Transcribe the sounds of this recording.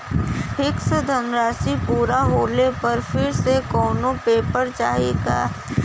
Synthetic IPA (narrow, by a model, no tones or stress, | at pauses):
hɪksed̪ʱɐnɾaːsipuːɾaɦoːlepɐɾfɪɾsekɔːnõpeːpəɾt͡ʃaːɦieka̰ː